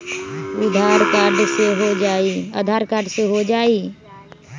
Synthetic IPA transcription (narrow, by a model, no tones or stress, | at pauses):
ʊd̪ʱaːɾkaːɾɖseɦod͡ʒaːiəd̪ʱaːɾkaːɾɖseɦod͡ʒaːi